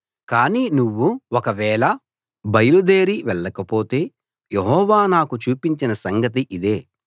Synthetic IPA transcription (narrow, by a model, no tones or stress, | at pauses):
kaːniːnuʋːuɔkɐʋɛːɭɐ | bɐjɐlud̪eːɾiʋɛɭːɐkɐpo̞ːt̪e̞ː | jeɦɔːʋaːnaːkut͡ʃuːpiɲt͡ʃinɐsɐŋɡɐt̪̬iʔid̪e̞ː